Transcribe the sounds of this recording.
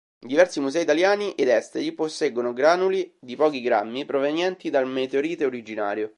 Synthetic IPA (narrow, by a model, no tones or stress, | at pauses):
d̪ivɛrsimuzɛːit̪aljaːniʔed̪ɛst̪eɾiposːeɡonoɡɾaːnulid̪ipɔːkiɡɾa̰mːipɾovenjɛnt̪id̪almet̪eoɾiːt̪eoɾid͡ʒina̰ːɾjo